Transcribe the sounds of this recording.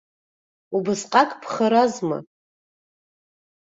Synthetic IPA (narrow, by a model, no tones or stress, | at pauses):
ubɨsqʼakʼpʰχaɾazma̰